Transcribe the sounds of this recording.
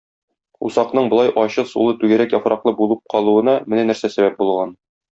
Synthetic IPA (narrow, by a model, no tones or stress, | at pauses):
ṵsɑqnɤɴbŏlˠɑjʔɒɕɤsṵlˠɤt̪ʉɡɘ̆ɾækjɒfɾɑqlˠɤbulˠɤp̚qʰɒlˠuɤ̆nɑmɘ̆nænæɾsæsæbæp̚bulˠʁɑn